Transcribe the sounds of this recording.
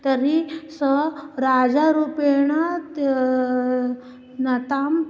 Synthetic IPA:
t̪əɾisəɾad͡zaɾupeɳ̃a | nɐt̪am

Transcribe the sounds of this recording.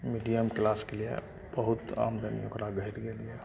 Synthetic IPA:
miɖijəmklaːskeliḛ | b̥əɦut̪a̰ːmd̪ʱənḭokɾaɡəɦiɾɡelie

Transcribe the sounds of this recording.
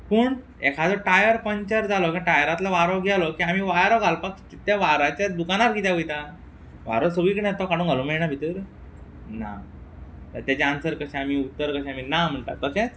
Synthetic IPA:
pəːɳ | ḛkʰad͡zɔʈajəɾpəɲt͡ɕəɾd͡zalɔkiʈajəɾat̪laʋaɾɔɡʱjalɔkiam̤iːʋajɾɔɡʱalpəks | t̪jaʋaɾat͡ɕad̪ukanaɾɡit̪jaʋəjt̪a | ʋa̰ɾɔsoʋiːkəɽɛ̃t̪ɔkaɽũːŋɡʱalũmeɭɳabʱit̪əɾ | na̰ | t̪əɾt̪jat͡ɕeansəɾkəɕɛ̃amiut̪ːəɾkəɕɛ̃aminam̤əɳʈ̪a̰ɾt̪əsɛ̃t͡s

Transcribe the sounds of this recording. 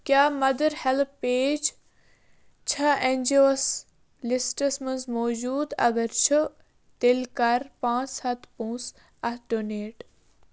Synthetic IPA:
kʲjaːmɐd̪əɾhelppeːd͡ʒ | t͡ʃʰɐẽnʲd͡ʒoːs | lɪsʈəsmənzmɔːd͡ʒuːd̪ɐ̰ɡəɾt͡ʃʰu | t̪elkɐɾpãːt͡shɐt̪ʰpũːs | ɐhɖoːneːʈ

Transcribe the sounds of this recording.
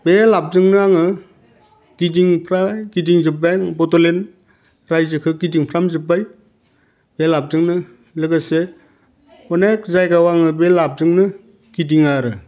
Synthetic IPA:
belap̚zɯŋnɯaŋɯ | ɡ̥idiŋpʰɾaɡidiŋzɯpːeŋbɔtolen | ɾajzɯkʰɯɡidiŋpʰɾamzɯbaj | b̥elap̚zɯŋnɯ | lɯɡɯse | ɔnek̚zajɡawaŋɯbelap̚zɯŋnɯ | ɡ̥idiŋaɾɯ

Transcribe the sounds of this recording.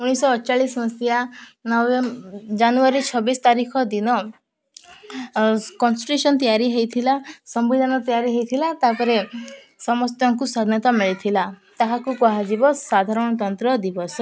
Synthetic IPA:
uɽ̃isɔːt͡ʃaɭismɔst̪janɔwd͡ʒanuaɾit͡ʃʰɔbist̪aɾikʰɔd̪inɔ | kɔnsiʈɾesɔnt̪ijaɾiɦejt̪ʰilasɔmbid̪ʱanɔt̪ijaɾiɦejt̪ʰilat̪apɔɾe | sɔmɔst̪jɔŋkusad̪ʱnɔt̪amiɭit̪ʰilat̪aɦakukɔɦad͡ʒibɔsad̪ʱaɾɔɽ̃ɔt̪ɔnt̪ɾɔd̪ibɔsɔ

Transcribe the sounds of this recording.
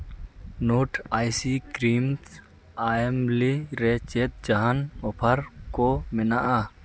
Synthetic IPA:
noːʈʰaːjsiːkɾiːmt̪ | aːemliɾeːt͡ʃeːt̪̚d͡ʒɐɦanoːpʰəɾkoːmɪnaʔaː

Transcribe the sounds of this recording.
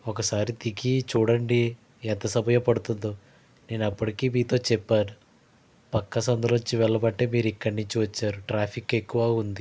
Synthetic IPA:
ɔkɐsaːɾit̪iɡit͡ʃuːɽɐɳɖi | ɛnt̪ɐsɐbʱɐjɐpɐɽut̪und̪o | ne̞ːnɐpːɐʈikiːmiːt̪o̞ːt͡ʃɛpːaːnu | pɐkːɐsɐnd̪ɐlot͡ʃːiʋɛɭːɐbɐʈːeːmiːɾikːɐɽnuɲt͡ʃiʋɐt͡ʃːaːɾuʈɾaːpʰike̞kːuʋaːund̪i

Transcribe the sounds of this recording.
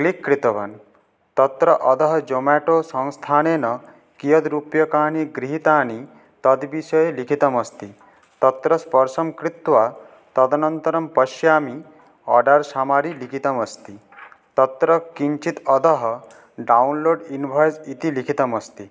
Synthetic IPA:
klikːɾit̪ɔʋa̰n | t̪ʌt̪ɾʌʔɔd̪ɔɦɔd͡ʒomaʈosɔŋst̪ʰanenɔ | kijəd̪ɾupjɔkaːɳiɡɾiɦit̪aːni | t̪ɐd̪bisɔjelikʰit̪ʌmɐst̪i | t̪ɔt̪ɾʌspɔɾsɐmkɾit̪ʋa | t̪ɔd̪ɐnʌnt̪ɐɾɐmpɔʃjaːmi | ɔ̰ɖaɾsamaɾilikʰit̪ɐmʌst̪i | t̪ʌt̪ɾʌkiɲt͡ʃit̪ɔd̪ɔɦɔ | ɖawnloːɖinbʱɔjsit̪ilikʰit̪ɐmʌst̪i

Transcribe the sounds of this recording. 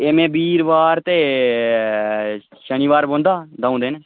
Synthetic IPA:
eːmẽːbiːɾʋaːɾt̪eː | ʃəñiːʋaːɾbõːnd̪aːd̪aːũnd̪eːneː

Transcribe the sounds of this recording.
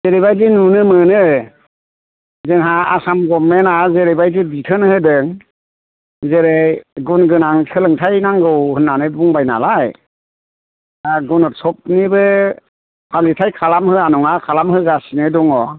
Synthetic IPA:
zeɾebajdinunɯmɯnɯ | zɯŋɦaasamɡɔmːenazeɾebajdibitʰɯnhɯdɯŋ | zeɾejɡunɡɯnaŋsʰɯlɯŋtʰajnaŋɡɯwhɯnːanɯbuŋbajna̰laj | aɡɔnɔt̚sɔp̚nibɯ | pʰalitʰajkʰalamhɯanɔŋakʰalamhɯɡasinɯdɔŋɔ

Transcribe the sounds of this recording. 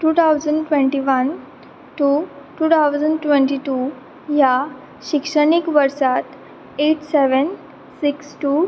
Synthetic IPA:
ʈuːt̪ʰawd͡zəɳɖʈʋẽɳʈiʋən | ʈuʈuːt̪ʰawd͡zəɳɖʈʋẽɳʈiʈu | ja | ɕikʂəɳikʋəɾsat̪ | eʈseʋən | siksʈu

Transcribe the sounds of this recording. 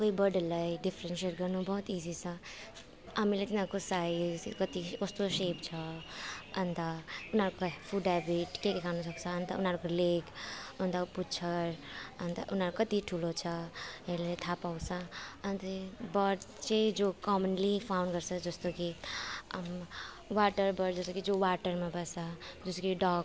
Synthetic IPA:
koibʌɾɖlajɖipʰɾenseʈɡʌɾnubʌɦut̪id͡zit͡sʰʌ | amilet̪inakosaid͡zkʌt̪ikost̪osept͡sʰʌː | nt̪ʌunɦaɾkopʰuɖabiʈkekekʰanʌsʌk̚t͡sʰʌːnt̪ʌunɦaɾkolekʌnt̪aput͡ʃʰʌɾʌnt̪ʌʔunɦaɾukʌt̪iʈʰulot͡ʃʰʌɦelet̪ʰapawsʰʌʌnt̪ʌbʌɖt͡ʃed͡ʒokɔmənlipʰaʊ̃nɖɡʌɾsʰʌd͡ʒʌst̪oki | m | waʈəɾbʌɾd͡zʌst̪okid͡ʒowaʈəɾmabʌsʌd͡ʒʌst̪okiɖɔ

